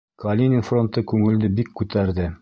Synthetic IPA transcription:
kɐlʲinʲɪnfro̞nt̪ɤkʉŋɘ̆ld̪ɘbikːʉt̪æɾðɘ

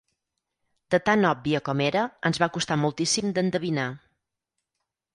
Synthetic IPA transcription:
d̪̥ət̪anɔbbiəkɔmeɾəənzβakust̪amulˠt̪isimd̪ənd̪əβ̞ina

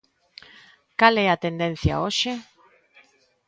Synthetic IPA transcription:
kalɛat̪end̪en̟θja̰oʃe

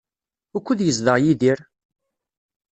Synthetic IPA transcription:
ʊkʷːəðjəzðəʁjiðiɾ

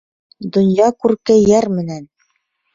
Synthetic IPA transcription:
d̪ŏnjɑkʉɾkɘjjæɾmɘ̆næn

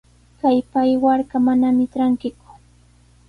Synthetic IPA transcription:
kajpajwaɾkamanamɪʈ͡ʂaŋkɪkʊ̥

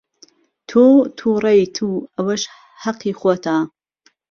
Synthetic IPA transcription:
t̪ʰot̪ʰuːrˤejt̪ʰuːɐwɐʃ | hɐqːiːxot̪ʰa

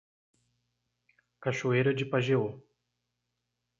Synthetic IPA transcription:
kaʃoejɾɐd͡ʒɪpaʒeo

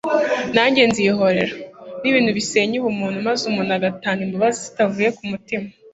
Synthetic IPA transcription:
naːɲɟe̞nziɦo̞ɾe̞̰ɾaniβiːnhuβise̞ːɲiβumuːnhumazumunaɡataːnimbuβazii̥tavuːje̞kumutima

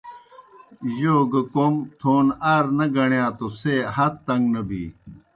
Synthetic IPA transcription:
joːɡɐkomt̪ʰoːnaːɾnɐɡɐɳjãːt̪oseːhɐt̪t̪ːɐŋɡnɐbḭː

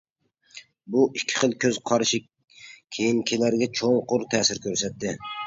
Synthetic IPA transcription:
bʊɪkʲʰːɪ̥χɨlˠkʰʲɵz̥qʰɒɾʃɪ | kʲʰejɪŋkʲʰelaɾɡʲat͡ʃʰoŋqʰʊɾt̪ʰæːsɪɾkʲʰɵɾsat̪ːɪ

